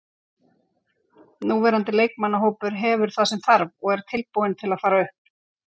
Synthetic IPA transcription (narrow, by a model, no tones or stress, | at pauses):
nuːvɛːɾant̪ɪleːjk̚manːaɦoːwpʏɾ̥ɦɛvʏɾ̥θaðsɛmθaɾvɔɣɛɾ̥t̪ʰɪlpowɪnt̪ʰɪlaðfaːɾaʏhp̚